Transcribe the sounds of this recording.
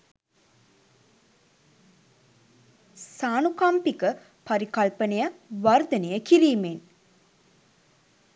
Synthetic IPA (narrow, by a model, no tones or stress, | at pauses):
saːnukɐmpikə | pɐɾikɐlpənejəʋɐrd̪ɐnejəkiɾiːmen